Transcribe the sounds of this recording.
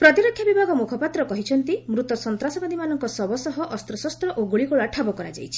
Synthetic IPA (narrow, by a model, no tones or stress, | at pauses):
pɾɔt̪iɾɔkʰːjabibʱaɡɔmukʰɔpat̪ɾɔkɔɦit͡ʃʰɔnt̪imɾut̪ɔsɔnt̪ɾasɔbad̪ʱimanɔŋkɔsɔbɔsɔɦɔʔɔst̪ɾɔsɔst̪ɾɔʔoɡuɭikɔɭaʈʰabɔkɔɾa̰d͡ʒa̰jt͡ʃʰi̥